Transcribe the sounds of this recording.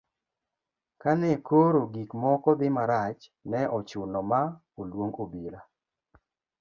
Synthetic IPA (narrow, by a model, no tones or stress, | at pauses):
kanɛkoɾoɡikmɔkɔd̪ɪmaɾat͡ʃnɛʔɔt͡ʃʊnɔma | olwoŋobila